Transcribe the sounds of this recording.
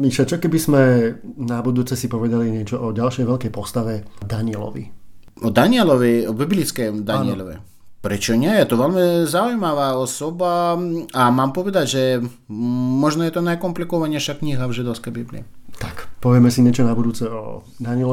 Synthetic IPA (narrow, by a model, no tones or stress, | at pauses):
miʃat͡ʃɔkɛbizmɛnabud̪uːt͡sɛsipɔʋɛd̪aliɲɪɛt͡ʃɔʔɔɟalʃɛjʋɛʎkɛjpɔst̪aʋɛd̪aɲiɛlɔ̰ʋḭ | ɔd̪aɲɪɛlɔʋɛɔbiblʲit͡skɛjd̪aniɛlɔʋɛ̰ | pɾɛt͡ʃɔɲʲɛjɛt̪ɔʋɛlmɪzaujmaʋaɔsɔbaamaːmpɔʋɛd̪aɟʒɛ | mɔʒnɔjɛt̪ɔnajkɔmplikɔʋaɲʲɛjʃakɲʲiɦavʒɪd̪ɔʊskɛjbiblḭɛt̪akpɔʋɪɛmɛsiɲɪɛt͡ʃɔnabud̪uːt͡sɛɔ̰d̪aɲiɪɛl